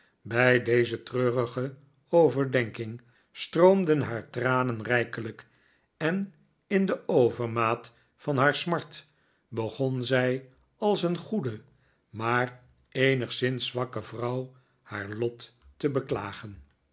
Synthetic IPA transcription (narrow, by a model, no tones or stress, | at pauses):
bɛjdejzətrøːrəχə | owvəɹdɛŋkɪŋ | strowmdənɦaːɹtraːnənrɛjkələk | ɛn | ɪndəʔowvəɹmaːt | fɑnɦaːɹsmɑɹt | bəχɔnzɛj | ɑlˠsənχudə | maːr | ejnəχsɪnsʋɑkəvrɑw | haːɹlɔtːəbəkla̰ːχən